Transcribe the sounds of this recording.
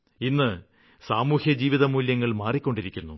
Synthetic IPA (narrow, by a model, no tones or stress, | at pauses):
inːɨ | saːmuːhjɐd͡ʑiːʋiðɐmuːljɐŋːɐɭmaːrikʲːo̞ɳɖiɾikʲːunːu